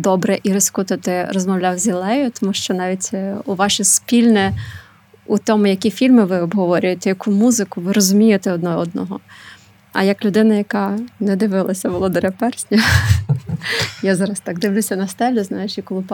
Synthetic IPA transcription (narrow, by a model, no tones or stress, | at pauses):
d̪ɔbɾɛʔiɾɪskut̪ʊt̪ɪrɔzmɔwlʲawzʲilˠɛjʊt̪ɔmuʃt͡ʃɔnɑʋʲitʲuʋɑʃispʲilʲnɛ | ut̪ɔmʊjɐkʲifʲilʲmɪʋɪɔbɦɔʋɔɾʲʊjet̪ɛjɐkumuzɪkʊʋɪɾɔzʊmʲijet̪ɛɔd̪nɔɔd̪̚nɔɦɔ | ɐ̰jɐklʲʊd̪ɪnɐjɐkɑnɛd̪ɪʋɪlˠɐsʲɐʋɔlˠɔd̪ɔɾʲɐpɛrsʲnʲɐ | jazɑɾɐst̪ɑɡ̚d̪ɪwlʲusʲɐnɐst̪ɛlʲʊznɑjet͡ʃikɔlˠɪp